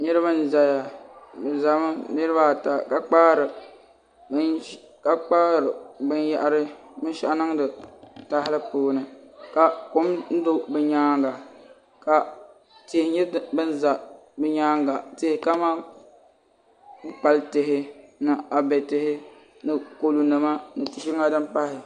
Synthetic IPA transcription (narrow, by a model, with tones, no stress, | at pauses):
nɨ˦ɾɨ˦ba˦n˦˨za˨ja˨bɨ˨za˨m˦nɨ˦ɾɨ˦ba˦˨ta˨ka˨k͡paː˦ɾɨ˨ | b | ka˦k͡paː˦ɾɨ˨bɨ˦n˦ja˦ʔa˦ɾɨ˦ | mɨ˦ʃa˦ʔnɨ˦ŋ˦dɨ˨ta˦hɪ˦lɨ˦poː˦nɨ˨ka˨ko˦mn̩˦do˦bɨ˦ɲaː˦ŋɡa˨ | ka˨ | te˨hɪ˨˦ɲɛ˦bɨ˦n˦za˨bɨ˦ɲaː˦ŋɡa˨te˦hɪ˨˦ka˦maː˦ | k͡pa˨ltɪ˨ɦɪ˦nɨ˨a˨bɛ˨tɪ˨hɪ˦ | nɨ˨ko˨lu˨nɨ˨ma˦nɨ˨tɪ˨ʃɪ˦ŋa˦dɨ˦m˦pa˦hɪ˨